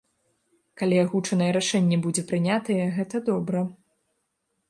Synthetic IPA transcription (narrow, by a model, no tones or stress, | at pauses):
kalʲiaɣut͡ʂɐnɐjɛɾaʂɛnʲːɛbud͡zʲɛpɾɨnʲat̪ɐjɛɣɛt̪ɐd̪ɔbɾɐ